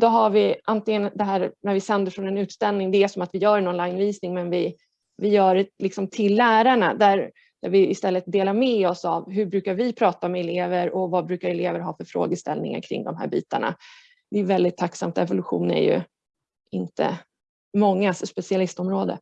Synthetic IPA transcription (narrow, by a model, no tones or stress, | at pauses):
d̪ɔɦaɾvɪʔant̪ɪŋənd̪ɛɦæːɾnæɾvɪsɛnd̪əɾfɾɔnɛnʉ̟ːt̪st̪ɛlnɪŋd̪ɛæʂɔmat̪vɪjœːɾɛnɔnlajnviːsnɪŋmɛnvɪ | vɪjœːɾɛlɪksɔmt̪ʰɪlːæːɾaɳad̪æɾ | d̪̥æɾvɪɪst̪ɛlːət̪̚d̪eːlaɾmɛɔsavɦɵbɾʉ̟ːkaɾvɪpʰɾɑːt̪aɔmɛɛleːvəɾɔvabɾʉ̟ːkaɾɛleːvəɾɦɑːfœɾfɾo̰ːɡəst̪ɛ̰lnɪ̰ŋa̰ɾkʰɾɪ̰ŋd̪ɔmɦæ̰ːɾbḭːt̪a̰ɳa̰ | d̪̥ɛjʉvɛld̪ɪt̪ʰːaksa̰mt̪ɛvʊlɵɧṵːnæ̰ɾjɵ̰ | ɪnt̪ə̰ | mɔŋːasspɛsɪalɪst̪ɔmɾoːd̪ə̰